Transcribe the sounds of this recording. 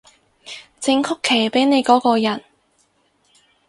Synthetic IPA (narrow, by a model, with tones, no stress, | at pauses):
t͡sɪ˧ŋkʰʊ˥kʰːe˨˩jpe˨˥jne˨˧jkɔː˨˥kɔː˧jɐ˨˩n